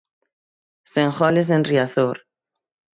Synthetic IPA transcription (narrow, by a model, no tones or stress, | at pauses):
sẽŋχɔlezenriaθoɾ